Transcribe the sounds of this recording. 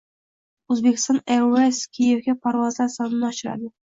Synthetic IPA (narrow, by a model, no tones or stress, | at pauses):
ɵzbekʲʰɪ̥st̪ɒneeskʲʰijevɡʲapʰaɾvɒzlasɒnɪnɒʃɪɾa̰d̪ɪ